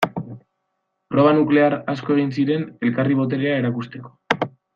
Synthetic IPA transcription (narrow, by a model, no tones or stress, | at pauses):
pɾo̞βanukle̞aɾasko̞e̞ɣ̞insiɾe̞ne̞lkariβ̞o̞t̪̬e̞ɾeae̞ɾakust̪e̞ko̞̥